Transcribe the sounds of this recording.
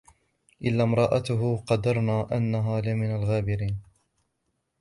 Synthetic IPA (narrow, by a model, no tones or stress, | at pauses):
ʔɪlːaːmɾˤɑːʔat̪ʊɦʊqɑd̪ːɑɾˤnaːʔanːaɦaːlɪmɪnalɣaːbɪɾiːn